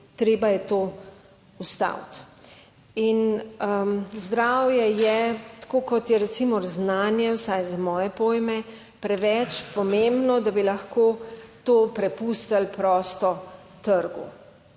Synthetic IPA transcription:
t̪ɾeːbajɛt̪oː | ust̪a̰wt̪ | inəzd̪ɾawjɛjɛt̪ḁkoːkɔt̪jɛɾɛt̪simɔɾznaːnjɛwsajzamɔːjɛpoːjmɛ | pɾɛʋɛt͡ʃpɔmembnɔd̪abilɐxkoːt̪oːpɾɛpust̪alpɾɔːst̪ɔ | t̪əɾɡṵ

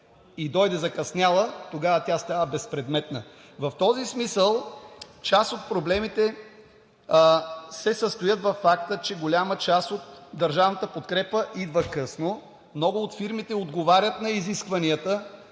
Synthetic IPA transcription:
id̪ɔjd̪ɛzɐkɐsnʲalˠət̪oɡavət̪ʲast̪avəbɛspɾɛd̪mɛt̪nə | vɐft̪ɔzismisəlˠt͡ʃasot̪̚pɾoblɛmit̪ɛ | sɛsəst̪ojət̪vɐfːakt̪ət͡ʃɛɡolʲamət͡ʃast̪ot̪d̪ɐɾʒavnət̪əpot̪kɾɛpəʔid̪vəkɤsno | mnɔɡʊːt̪fiɾmit̪ɛod̪ɡovaɾʲət̪nɐiziskvɐniət̪ə

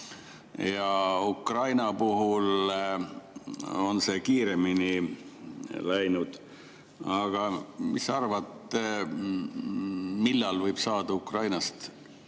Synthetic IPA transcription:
jɑukrɑjnɑpuɦul | o̞nse̞kiːɾe̞mini | læjnud̪̥ | ɑɡ̥ɑmisɑrvɑt̪ːˑ | milːɑlvɤjb̥sɑːd̪̥ɑukrɑjnɑst̪

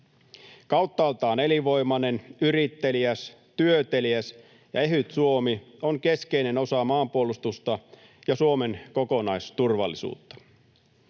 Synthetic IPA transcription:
kɑwt̪ːɑɑlt̪ɑːne̞liʋo̞imɑne̞nyɾit̪ːe̞liæs | t̪yøt̪e̞liæs | jɑ̰e̞ɦyt̪suo̞mioŋke̞skeine̞no̞sɑmɑːmpuolust̪ust̪ɑ | jɑsuome̞ŋkoko̞nɑjst̪urʋɑ̰lːisṵːt̪ːɑ̥

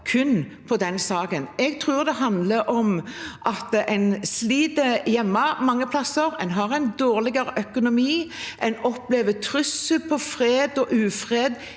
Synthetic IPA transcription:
kʰʉnpʰɔd̪ɛnsɑːkənɛɡt̪ʰʁʉːʁd̪ɛɦɑnd̪ləɾʔɔmʔɑt̪ɛɪnsliːd̪əjɛmːɑmɑŋːəpʰlɑsəɾɛnɦɑʁɛɪnd̪oːʁlɪɡɑɾəʔœkʊnʊmiːʔɛnɔpleːʋət̪ʰɾʏsəlpʰɔfɾeːd̪ɔʔʉːfʁeːd̪

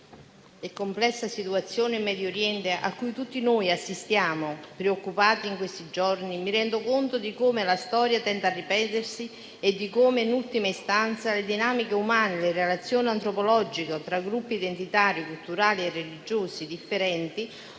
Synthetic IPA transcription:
ɛkːomplɛsːasit̪uat̪sːjoːneimːɛd̪joɾjɛnt̪eʔa̰kːujt̪ut̪ːinoːjasːist̪jaːmopɾeokːupaːt̪iːŋkwest̪id͡ʒɔrnimiɾɛnd̪okont̪od̪ikoːmelast̪ɔːɾjat̪ɛnt̪arːipɛːt̪ersi | ed̪ːikomenult̪imaist̪ant̪saled̪inaːmikeumaːnelerelat̪sːjoːneant̪ɾopolɔd͡ʒikot̪ɾaɡɾupːiːd̪ent̪it̪aːɾikult̪uɾaːlierːelid͡ʒoːsid̪ifːeɾɛnt̪i

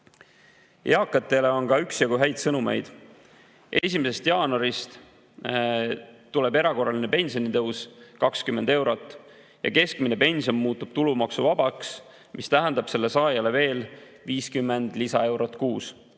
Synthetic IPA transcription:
ʔeɑkːˑɑt̪ːˑe̞le̞o̞nkɑyksjɑɡuɦæjd̪̥sɤnumḛjd̪̥ | ʔe̞sʲimese̞st̪jɑːno̞ɾist̪ | t̪ːule̞be̞ɾɑko̞rːɑlinepe̞nʲsionit̪ɤwskɑkskymːe̞nd̪e̞wɾo̞t̪ːˑ | jɑ̰ke̞skmine̞pe̞nʲsio̞nːmuːt̪ːˑub̥̚t̪ulumɑksuvɑbɑks | mʔist̪æɦɛnd̪̥ɑb̥se̞lːe̞sɑːjɑle̞ve̞ːl | viːskymːe̞nd̪̥lisɑe̞wɾo̞t̪kuːs

